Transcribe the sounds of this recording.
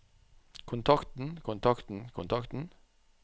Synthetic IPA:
kʰʊnt̪ʰɑkt̪n̩kʰʊnt̪ʰɑkt̪n̩kʰʊnt̪ʰɑkt̪n̩

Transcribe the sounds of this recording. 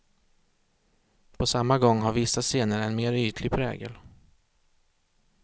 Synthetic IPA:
pʰɔsamːaɡɔŋːɦaɾvɪsːaseːnəɾɛnmeːɾyːt̪ʰlɪɡpʰɾɛ̰ːɡə̰l

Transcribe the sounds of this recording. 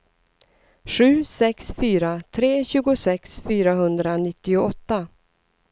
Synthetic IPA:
ɧʉ̟ːsɛksfyːɾat̪ʰɾeːɕʉ̟ːɡʊsɛksfyːɾaɦɵnd̪ɾanɪt̪ːɪʊɔt̪ːa

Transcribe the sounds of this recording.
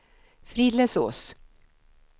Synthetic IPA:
fɾiːd̪lɛso̰ːs

